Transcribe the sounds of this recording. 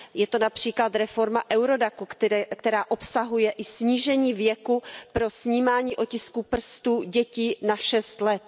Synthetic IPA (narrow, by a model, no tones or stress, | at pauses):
jɛt̪o̞napr̥iːklat̪ɾɛfo̞ɾmaʔɛwɾo̞dakukkt̪ɛɾaːʔo̞psaɦujɛʔɪsɲiːʒɛɲiːvjɛkupɾosɲiːmaːɲiːʔo̞cɪskupr̩st̪uːɟɛciːnaʃɛst̪lɛt̪